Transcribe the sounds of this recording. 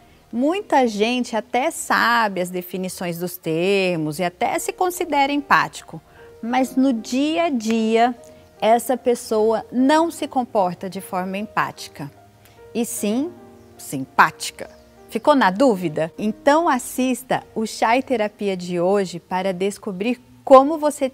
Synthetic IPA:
mũj̃t̪ɐʒẽnt͡ʃɪat̪ɛsa̰bɪɐzd̪efinisõj̃zd̪ʊst̪eɾmʊzɪat̪ɛ̰sɪkõsid̪ɛɾɐẽpa̰t͡ʃi̥kʊ | mɐznʊd͡ʒiɐd͡ʒiɐ | ɛsɐpesowɐnɐ̃w̃sɪkõpɔɾt̪ɐd͡ʒɪfɔɾmɐẽpa̰t͡ʃi̥kɐ | ɪsĩ | sĩpat͡ʃi̥kɐ̥ | fikonɐd̪uvid̪ɐẽt̪ɐ̃w̃asist̪ɐ̰ʊʃaɪt̪eɾapiɐd͡ʒɪoʒɪpaɾɐd̪eskobɾiɾ | kõmʊvose

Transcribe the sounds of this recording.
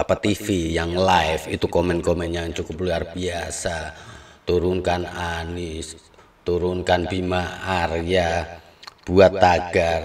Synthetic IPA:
apat̪ifijaŋlajfit̪ukɔmɛnkɔmɛnjaŋt͡ʃukʊpluarb̥iasa | t̪uɾunkanani | t̪uɾʊnkanb̥imaːrja | b̥uat̪ːaɡ̥ar

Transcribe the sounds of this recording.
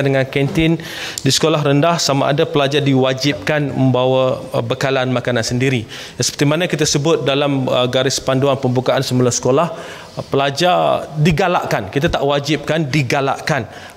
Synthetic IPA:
dəŋankɛnt̪ɪn | disə̥kolaɦrəndahsama̰ʔa̰dapəlad͡ʒadiwad͡ʒɪp̚kanmə̃mbawabəkalanmakanansəndiɾi | jaŋsə̥pərt̪imanakit̪asəbʊt̪̚dalaməɡaɾɪspanduanpəmbukaansəmulasə̥kolah | pəlad͡ʒardiɡala̰ʔkankit̪at̪aʔwad͡ʒɪp̚kandiɡala̰ʔkan

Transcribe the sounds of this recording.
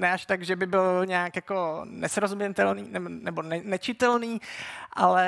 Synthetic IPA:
nɛaʃt̪aɡʒɛbɪbɪlɲaːkjakonɛsɾozumɲɛt̪ɛlniːnɛnɛbonɛnɛt͡ʃɪt̪ɛlniːʔalɛ

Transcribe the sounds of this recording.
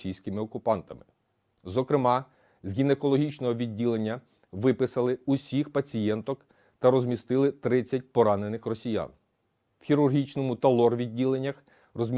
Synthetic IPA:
ijsʲkɪmɪɔkʊpɑnt̪ɐmɪ | zɔkɾɪmɑ | zʲɦʲinekɔlˠɔɦʲit͡ʃnɔɦɔʋʲidʲːilˠenʲːɐ | ʋɪpɪsɐlˠɪusʲixpɐt͡sʲijɛnt̪ɔk | t̪ɐɾɔzʲmʲist̪ɪlˠɪt̪ɾɪt͡sʲːɐt̚ʲpɔɾɑnenɪxrɔsʲijɑ̰n | wxʲiɾʊrɦʲit͡ʃnɔmʊt̪ɐlˠɔrʋʲidʲːilˠenʲːɐx | rɔzʲmʲ

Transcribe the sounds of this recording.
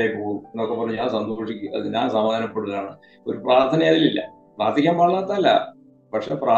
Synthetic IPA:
ejpoːɣumenːokːepːɐrɐɲːut͡ɕaːlsɐnd̪oːʂikʲːuɐ̰ðɨɲaːnsɐmaːd̪anɐpːeɽuɣɐlaːɳɨ | oɾupraːrt̪ʰɐnɐjaːðililːɐ̰ | praːrt̪ʰikʲːaːmpɐɭːaːt̪ːaːlːɐ̰ | pɐʈʂepraː

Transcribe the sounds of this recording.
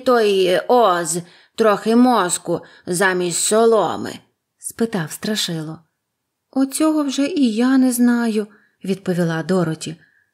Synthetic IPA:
t̪ɔjɔz | t̪ɾɔxɪmɔskʊ | zɑmʲisʲt̪ʲsɔlˠɔ̰mɪ̰ | spɪt̪ɑwst̪ɾɐʃɪlˠɔ | ɔt͡sʲɔɦɔwʒɛʔijanɛznɑjʊ | ʋʲid̪̚pɔʋʲilˠɑd̪ɔɾɔtʲi

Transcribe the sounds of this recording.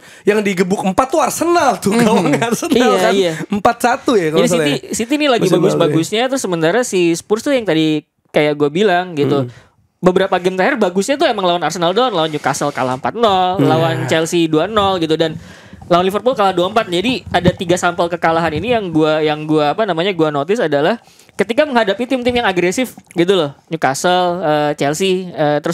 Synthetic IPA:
jaŋdiɡəbʊkəmpat̪ːuarsənalt̪ʊkaaŋarsəniajaijaəmpat̪̚sat̪ujakd͡ʒadisiisit̪inilaɡibaɡʊsbaɡʊsɲat̪ɾʊsəmənt̪aɾasispurst̪ʊjaŋt̪adi | kajaʔɡuabilaŋɡit̪u | bəbəɾapaɡɛmt̪aɦɛrbaɡʊsɲat̪̬ʊemaŋlawanarsənaldɔnlawand͡ʒukasəlkalahəmpat̪̚nɔllawant͡ʃɛlsiduanɔlɡit̪udan | lawanlifərpʊlkalahduaəmpat̪̚d͡ʒadiadat̪iɡasampəlkəkalaɦaninijaŋɡuajaŋɡuaːpanamaɲaɡuanot̪ɪsadalah | kət̪ikaməŋɦadapit̪ɪmt̪ɪmjaŋaɡɾesɪfɡit̪̬ulʊhɲukasələt͡ʃɛlsiət̪əɾʊs

